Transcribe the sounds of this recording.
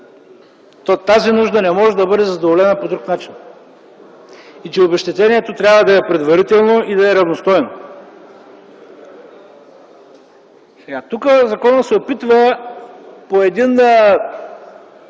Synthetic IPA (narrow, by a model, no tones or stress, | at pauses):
t̪ɔt̪azinuʒd̪ɐnɛmɔʒɛd̪ɐbɤd̪ɛzɐd̪ovolɛnəpod̪ɾuknat͡ʃin | it͡ʃɛobɛʃt̪ɛt̪ɛniɛt̪ot̪ɾʲjabvəd̪ɐɛpɾɛd̪vɐɾit̪ɛlˠnoʔid̪ɐɛɾɐvnost̪ɔjno | at̪ukəzɐkɔnət̪sɛopit̪və | poɛd̪in